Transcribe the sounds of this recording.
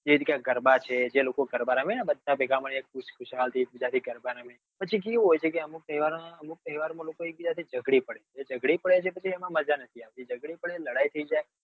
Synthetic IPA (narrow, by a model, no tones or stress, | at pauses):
d͡ʒeʋit̪kjãk̚ɡəɾbat͡ʃʰed͡ʒelokoɡəɾbaɾamenabəd̪ʱːabeɡaməɳiek̚puʃkʰʊʃalt̪ʰiek̚bid͡ʒat̪ʰiɡəɾbaɾame | pət͡ʃʰik̬iɦojt͡ʃʰekeəmuk̚t̪əɦiʋaɾãəmuk̚t̪əɦiʋaɾmãlokoek̚bid͡ʒat̪ʰid͡ʒəɡɽipəɽeeːd͡ʒəɡɽipəɽet͡ʃʰepət͡ʃʰiemãməd͡ʒanət̪ʰiaʋt̪id͡ʒəɡɽipəɽeləɽajt̪ʰəid͡ʒaj